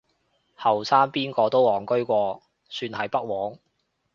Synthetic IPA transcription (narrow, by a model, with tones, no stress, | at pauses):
hɐ˨˩wsaː˥npiː˥nkɔː˧t̪o˥wɔː˨˩ŋkɵ˥ɥkʷɔː˧ | syː˧nhɐ˨jpɐ˥k̚wɔː˨˥ŋ